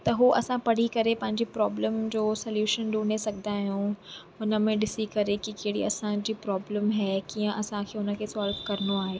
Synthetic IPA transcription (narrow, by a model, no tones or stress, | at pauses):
t̪ɐɦuʔɐsãpɐɽ̤ikɐɾepɐ̃ɦɪ̃ɲd͡ʑipɾɔːbləmd͡ʑoːsɐljuːʃənɗuːɽesɐɡʱənaːɦijũɦʊnə̆mẽɗɪsikɐɾekikeɦɽḭɐsãd͡ʑiːpɾɔːbləmɦɛːkijə̃ʔɐsãkʰeːɦʊnə̆kʰeːsɔːlʋkɐɾənoaːɦeː